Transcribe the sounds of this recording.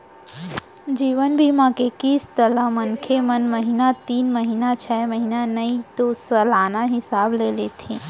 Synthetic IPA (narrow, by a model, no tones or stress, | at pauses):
d͡ʒiːʋənbʱimãːkekiːst̪əlamɐnkʰemɐnmɐɦiːnat̪iːnmɐɦiːnat͡ʃʰɛmɐɦiːnanɐit̪osɐlaːnaɦɪsaːbleːlet̪ʰĩː